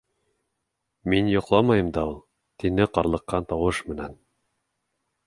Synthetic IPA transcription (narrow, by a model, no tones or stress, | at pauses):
minjŏqlˠɑmɑjɤ̆md̪ɑulˠ | t̪inɘqɑɾlˠɤ̆qːɑnt̪ɑwɤʃmɘ̆næn